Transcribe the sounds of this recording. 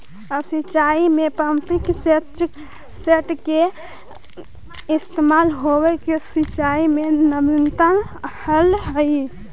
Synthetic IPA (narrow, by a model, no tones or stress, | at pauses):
əbsit͡ʃaimepəmpikse | seʈke | ist̪emalɦobekesit͡ʃaimenəmint̪anhəlɦəj